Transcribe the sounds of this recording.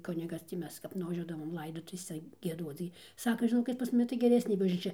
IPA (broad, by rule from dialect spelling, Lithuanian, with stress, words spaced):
ˈkʊnʲɪɡɐs tʲiː ˈmʲɛs kɐp nʊʋɐˈʒʲuɔdɐʋoːm ˈlˠɐɪdoːtʊʋʲeːsʲɛ ɡʲiɛˈduɔt͡s ɡʲɪ ˈsɑːkɐ ʒʲɪˈnoːkʲɪt pɐs mʊˈmʲɪ tɐɪ ɡʲɛˈrʲæːsʲnʲeː bɐʒʲnʲiːˈt͡ʃʲɛ